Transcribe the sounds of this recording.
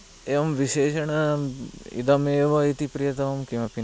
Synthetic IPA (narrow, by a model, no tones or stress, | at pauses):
eʋɐmʋiʃeːʃɐɳɐ | ḭd̪ɐmeːʋɐit̪ipɾijɐt̪ɐʋɐmkĩʋɐpi